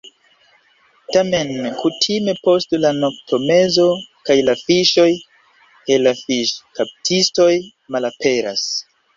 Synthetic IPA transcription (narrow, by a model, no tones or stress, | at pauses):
tame̞nkutʰime̞po̞stlano̞k̚tʰo̞me̞zo̞kajlafiʃo̞j | ke̞lafiʃkap̚tʰisto̞j | malape̞ɾa̰s